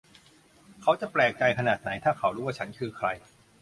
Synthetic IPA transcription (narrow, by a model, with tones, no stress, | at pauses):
kʰa˦˥wt͡ɕa˨˩plɛː˨˩k̚t͡ɕa˧jkʰa˧naː˨˩t̪̚na˩˦jt̪ʰaː˥˩kʰa˦˥wɾuː˦˥wa˥˩t͡ɕʰa˦˥nkʰɯː˧kʰɾa˧j